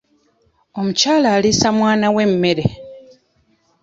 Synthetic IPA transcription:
o̞mucaːlaːlisamwaːnawe̞mːe̞ɾe

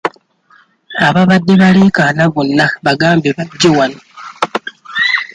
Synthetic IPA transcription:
aβaβadːe̞βaleːkanaβonːaβaɡaːmbeβaɟːewano

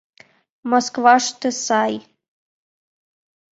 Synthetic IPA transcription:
moskvaʂt̪ʰɨsaj

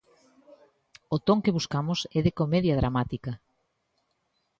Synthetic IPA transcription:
ot̪oŋkeβuskamʊsɛðekomɛðjɐðɾʔamat̪ikɐ

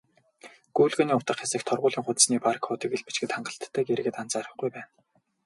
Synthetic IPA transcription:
ɡ̥uːɮɣoːniːʊt̪ə̆qxasɘ̆kt̪ʰɔrʁʊːɮiːŋχʊt̪sniːparkʰʊːt̪iːkeɮpe̥t͡ɕɡɘ̆t̪χaɴɢə̆ɬt̪ʰːæːɡeɾ̆ɣɘ̆t̪an̥t͡saːɾə̆χɡujpæːn

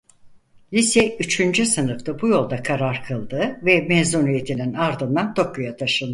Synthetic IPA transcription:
lʲisjɛyt͡ʃʰynd͡ʒysɯnɯft̪ˠabujo̞lˠd̪akʰaɾaɾkʰɯlˠd̪ɯvɛmɛzunije̞t̪ʰininaɾd̪ɯnd̪ant̪ʰo̞kʰːujat̪ʰaʃɯnˠd̪ɯ

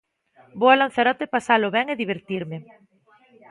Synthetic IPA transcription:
boalan̟θaɾɔt̪ɪpasalʊβɛŋeðiβ̞eɾt̪iɾmɪ

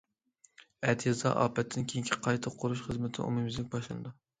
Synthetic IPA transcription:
ɛt̪ʰjezɑ̰ʔɑ̰ːpɛt̪ʰːɪnkʲʰeŋkʲʰi̥qʰɑjt̪ʰɨqʰːoɾuʃχəzmɪt̪ʰɪ̰ʔo̰mɨmɪzlɪk̚ʲbɑʃlˠɨnɨd̪u

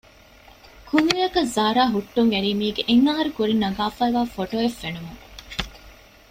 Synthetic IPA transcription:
kunijɐkɐzaːɾaːɦuʈːuŋʋeɾiːmiːɡeʔeŋːaːɦɐɾukuɾinɐɡaːfɐiʋaːfoʈoːefːenumuŋ

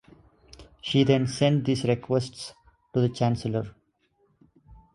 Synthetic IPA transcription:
ʃiːd̪ɛ̃nsɛ̃ɳɖ̚d̪iːsɾekʰwesʈs | ʈud̪ət͡ʃæ̃nsələɾ

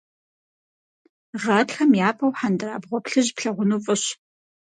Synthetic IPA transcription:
ʁɐtxɐmjaːpʰɐwħandɨɾaːbʁʷɔpɬɨʑpɬɐʁʷʊnuːfʼɨɕ

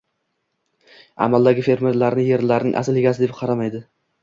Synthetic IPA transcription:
a̰malˠd̪aɡʲɪfe̞ɾme̞ɾlaɾnɪje̞ɾlaɾnɪŋʔa̰sɪlɪɡʲasɪd̪ep̚qʰɑɾamajd̪ɪ

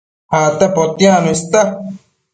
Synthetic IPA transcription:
haːt̪apot̪ijãnuist̪a

